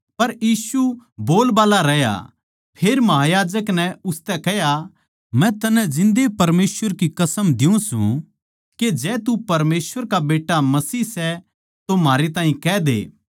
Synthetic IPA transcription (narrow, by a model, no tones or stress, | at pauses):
pɐɾjiːsuboːlbaːlaɾɛja̰ | pʰeːɾmɐɦajaːd͡ʒəknɛʊst̪ɛkɛɦja | mɛ̃t̪ɐnɛ̃d͡ʒɪ̃nd̪epɐɾmeːsʋəɾkikɐsəmd̪ɪũsṵ̃ | ked͡ʒɛːt̪upɐɾmeːsʋəɾkabeːʈamɐsiːsɛ | t̪omaːɾet̪aːĩkɛːd̪ḛː